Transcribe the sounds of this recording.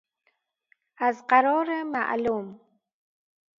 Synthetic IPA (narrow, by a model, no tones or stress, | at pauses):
azqaɾoɾamaʔa̰lum